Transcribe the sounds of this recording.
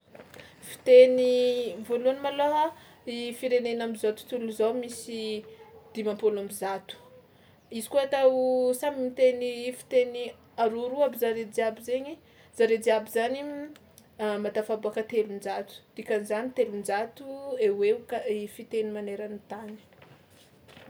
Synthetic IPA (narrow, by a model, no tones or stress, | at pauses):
fi̥t̪enivoluanimaloɦa | ifiɾenenamizat̪u̥t̪uluzawmisid̪̥imampolamizat̪u̥ | izikuat̪asamimit̪enifi̥t̪eni | aɾuɾuabizaɾed͡ziabizeɲi | z̥aɾed͡ziabizani | mat̪afabuakət̪elund͡ʒat̪u̥d̪̥ikʲanizanit̪elud͡ʒat̪ueweukaifit̪enimaneɾanit̪ani̥